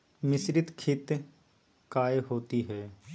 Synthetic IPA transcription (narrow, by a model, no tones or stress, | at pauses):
mɪsɾɪt̪kʰɪt̪ | kaːeɦoːt̪iɦɛː